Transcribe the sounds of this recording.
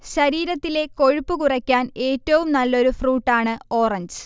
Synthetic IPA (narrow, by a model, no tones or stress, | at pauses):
ɕɐɾiːɾɐt̪ːile̞ko̞ɻupːukurɐkʲːaːne̞ːtːɐʋumnɐlːo̞ɾufruːʈːaːɳɨo̞ːrɐɲd͡ʑɨ